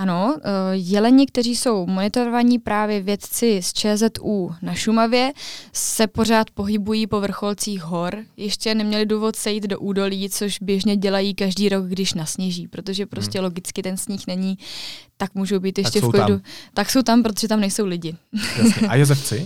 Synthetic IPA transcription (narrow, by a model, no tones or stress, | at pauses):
ano̞jɛlɛɲɪkt̪ɛriːso̞wmo̞nɪt̪o̞ɾovaɲipɾaːvjɛvjɛt̪t͡sɪst͡ʃɛːzɛt̪uːnaʃumavjɛsɛpo̞ɾ̝aːt̪po̞ɦɪbujiːpo̞vr̩xo̞lt͡siːxɦo̞ɾjɪʃcɛnɛmɲɛlɪduːvo̞t̪sɛjiːd̪do̞ʔuːdo̞liːt͡so̞ʃbjɛʒɲɛɟɛlajiːkaʒdiːɾo̞ɡɡdɪʃnasɲɛʒiːpɾo̞t̪o̞ʒɛpɾo̞scɛlo̞ɡɪt͡skɪt̪ɛnsɲiːxnɛɲiːt̪akmuːʒowbiːt̪jɛʃcɛklɪdut̪akso̞wt̪ampɾot̪oʒɛt̪amnɛjsowlɪɟɪ | a̰jozɛft͡sɪ